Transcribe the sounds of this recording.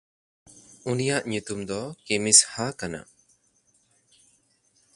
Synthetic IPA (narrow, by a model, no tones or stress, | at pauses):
unijaʔɲut̪umd̪ɔkemishakana̰